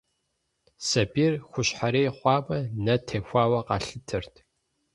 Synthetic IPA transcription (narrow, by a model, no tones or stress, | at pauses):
sɐbiːrxʷʊɕħaɾeːχʷɑːmɐnɐtʰeːxʷɑːwɐqɑ̰ːɬɨtʰɨrtʰ